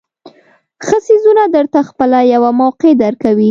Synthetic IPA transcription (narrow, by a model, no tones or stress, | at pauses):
xəsizunad̪əɾt̪axpəlajawamawqed̪aɾkawi